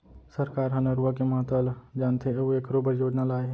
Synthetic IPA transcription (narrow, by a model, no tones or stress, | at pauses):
səɾkaːɾɦɐ̃nɐɾuakemɐɦat̪əld͡ʒaːnt̪ʰeeoekɾoːbəɾjoːd͡ʒnalaːeɦɛ